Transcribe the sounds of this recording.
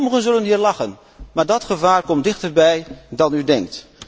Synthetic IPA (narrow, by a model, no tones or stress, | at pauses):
məχənzɵlənɦiːɹlɑχən | maːɹdɑtχəvaːɹkɔmdɪχtəɹbɛjdɑnydɛŋk̚t